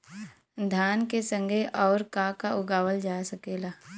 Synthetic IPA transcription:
d̪ʱaːnkesə̃ŋɡʱeʔɔːɾkakaʊɡaːwəld͡ʒaːsəkeːlaː

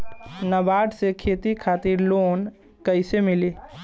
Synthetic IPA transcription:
nəbaːɖsekʰeːt̪ikʰaːt̪ɪɾloːn | kəɪsemɪleː

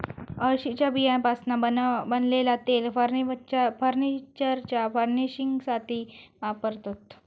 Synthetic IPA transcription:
əɕit͡ɕjabʱijãnpasnabənlelat̪elfəɾfəɾnit͡ɕəɾt͡ɕjafəɾniɕiŋɡsat̪ʰiːʋapəɾt̪ot̪

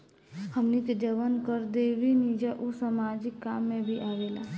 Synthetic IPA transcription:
həmniked͡ʒəʋənkəɾd̪eːʋinid͡ʒaʔusəmaːd͡ʒɪkːaːmːẽbʱiʔaːʋeːlaː

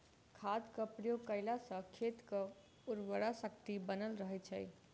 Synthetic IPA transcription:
kʰad̪kəpɾijokəɪlasə̃kʰet̪kə | uɾwəɾasəkt̪ibənəlɾəɦɛjt͡ʃʰəj

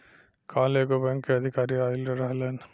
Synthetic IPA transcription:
kaːleːɡobeŋkeɐd̪ʱikaːɾiaːjilɾɐɾɐɦɐlɐn

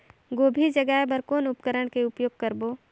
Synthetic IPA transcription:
ɡoːbʱid͡ʒəɡaːebəɾkoːnʊpkəɾəɽ̃keʊpjoːɡ̚kəɾboː

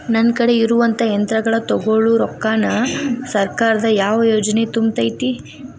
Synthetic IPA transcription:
nɐnkɐɽe̞iɾuʋɐnt̪ɐɐnt̪ɾɐɡɐɭɐt̪ɔɡoɭuɾɔkːaːnɐsɐɾkaːɾɐd̪ɐjaːʋɐjoːd͡ʒɐne̞t̪umbt̪ɐjt̪i

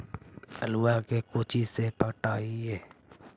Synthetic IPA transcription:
əluːakekoːt͡ʃisepəʈaːiɦɛeː

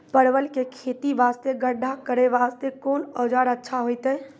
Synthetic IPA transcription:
pəɽʋəlkekʰeːt̪iʋaːst̪eɡəɖʱakəɾeʋaːst̪ekoːnɔːd͡ʒaːɾətːʃʰaɦoɪt̪ɦɛː

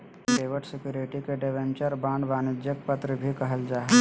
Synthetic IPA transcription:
ɾeːʋəʈsɪkjuːɾɪʈikeɖeʋẽnt͡ʃəɾbãːɳɖbaːnɪd͡ʒjək̚pət̪ɾəbʱikɐɦəld͡ʒaːɦe

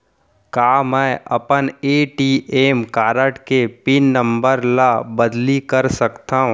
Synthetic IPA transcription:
kaːmɛ̃ːʔɐ̰pəneːʈiʔeːmkaːɾəʈkepinːə̃mbəɾlabɐd̪likəɾsɐkt̪aːɦũ

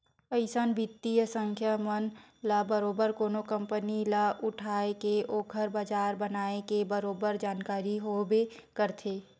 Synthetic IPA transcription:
pəɪsanbʱɪt̪ːijəsə̃ŋkʰjamənlabəɾoːbəɾkoːnokə̃mpənilaʔʊʈʰaːekeʔoːkʰəɾbad͡ʒaːɾbənaːekebəɾoːbəɾd͡ʒaːnkaːɾiɦobekəɾt̪ʰeː

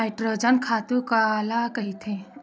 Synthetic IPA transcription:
aɪʈɾod͡ʒənkʰaːt̪ukalakɐɦit̪ʰẽ

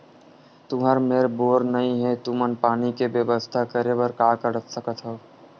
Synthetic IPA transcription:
t̪ʊɦəɾmeːɾboːɾnəĩɦɛt̪umənpaːnikebjəbəst̪ʰakəɾebəɾkaːkəɾət̪səkət̪ɦəo

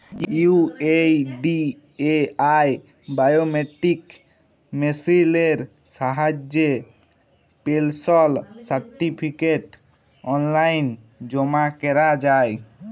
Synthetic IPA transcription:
ueɖi | eaj | bajomeʈik | mesileɾ | saɦad͡ʒje | pelsɔlsaɾʈipʰikeʈ | ɔnlajn | d͡ʒɔmakɛɾad͡ʒaj

